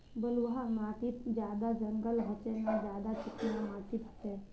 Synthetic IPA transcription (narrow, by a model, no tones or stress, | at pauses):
bəlʋɦamaʈ̪iːt̪d͡ʑjad̪ad͡zəŋɡəlɦɔt͡ʃɛnad͡ʑad̪at͡ʃikinamat̪iːt̪ɦt͡sɛ